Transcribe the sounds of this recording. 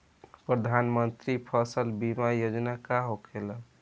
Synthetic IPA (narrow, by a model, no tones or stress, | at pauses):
pɾəd̪ʱanmənt̪ɾipʰəsəlbimajod͡ʒnakaɦokʰelə